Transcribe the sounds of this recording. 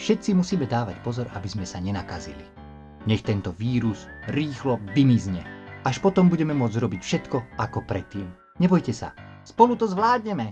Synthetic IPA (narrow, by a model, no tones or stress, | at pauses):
fʃɛt̪t͡simusiːmɛd̪aːʋacpɔzɔɾabizmɛsaɲɛnakazḭlḭ | ɲɛxt̪ɛnt̪ɔʋiːɾuzɾiːxlɔd̪imizɲɛaʃpɔt̪ɔmbuɟɛmɛmʊɔd͡zɾɔbicfʃɛt̪kɔakɔpɾɛt̪ːiːm | ɲɛbɔjcɛsa̰spɔlut̪ɔzʋlaːd̪ɲɛmɛ